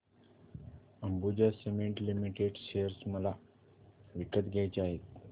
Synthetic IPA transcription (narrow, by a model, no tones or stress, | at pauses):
əmbud͡ʑasemeɳʈlimiʈeɖɕejəɾsməla | ʋikət̪ɡʱjajt͡ɕaɦet̪̚